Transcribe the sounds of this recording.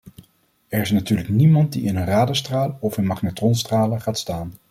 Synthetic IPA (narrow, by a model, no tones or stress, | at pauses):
ɛɹɪsnatyːɹləknimɑnt̚diɪnənraːdəstraːlˠɔfɪnmɑχnatrɔnstraːləχaːtstaːn